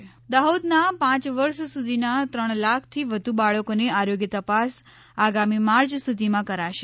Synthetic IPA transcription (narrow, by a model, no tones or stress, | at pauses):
d̪aud̪napãt͡ʃʋəɾʃsud̪ʱinat̪ɾəɳ̃lakʰt̪ʰiʋəd̪ʱubaɭəkoneaɾoɡjət̪əpas | aɡamimaɾt͡ʃst̪ut̪imãkəɾaʃe